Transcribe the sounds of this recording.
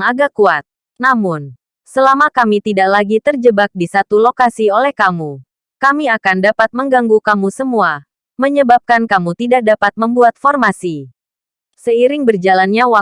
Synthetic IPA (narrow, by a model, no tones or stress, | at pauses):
ŋaɡakuat̪̚ | namʊn | səlamakamit̪idaʔlaɡit̪ərd͡ʒəbak̚disat̪ulokasiolɛhkamu | kamiakandapat̪̚məŋɡaŋɡukamusəmua | məɲəbap̚kankamut̪idak̚dapat̪̚məmbuat̪̚fɔrmasi | səiɾɪŋbərd͡ʒalanɲawa